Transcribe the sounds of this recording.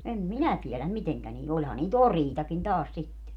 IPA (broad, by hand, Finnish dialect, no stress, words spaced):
em minæ tielæm miteŋkæ niːl olʲhɑ niːt oriːtɑkin tɑːs sitːe